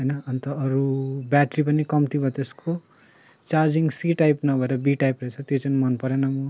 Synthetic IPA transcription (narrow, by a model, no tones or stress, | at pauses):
ɦʌjnʌːnt̪ʌːɾubjaʈɾipʌnikʌmt̪ibʱʌt̪eskʰo | t͡saɾd͡ziŋɡsiʈajpnʌbʱʌeɾʌbiʈajpret͡sʰʌt̪jot͡sanimʌnpʌɾenʌmu